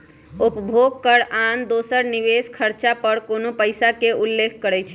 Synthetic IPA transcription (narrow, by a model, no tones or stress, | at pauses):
upəbʱoɡ̚kəɾand̪osəɾniʋeskʰəɾt͡ʃapəɾkonopəjsakeʔulːekʰkəɾɛt͡ʃʰ